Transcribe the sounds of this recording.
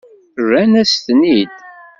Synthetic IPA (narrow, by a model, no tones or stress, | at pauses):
ɾænæst̪nid̪